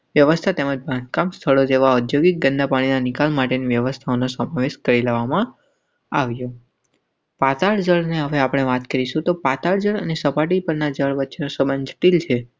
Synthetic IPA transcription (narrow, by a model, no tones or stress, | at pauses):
ʋjəʋəst̪ʰat̪eməd͡ʒbʱãnd̪kamst̪ʰəɭod͡ʒeʋaud̪joɡik̚ɡənd̪ʱapaɽ̃inanɪkalmaʈeniʋjəʋəst̪ʰaonosəmaʋeʃkəɾileʋamã | aʋjo | pat̪aɭd͡ʒəɭneɦəʋeapɽ̃eʋat̪kəɾiʃũt̪opat̪aɭd͡ʒəɭənesəpaʈ̬ipəɾnad͡ʒəɭʋətːʃʰenosəbənd͡ʒʱʈilt͡ʃʰe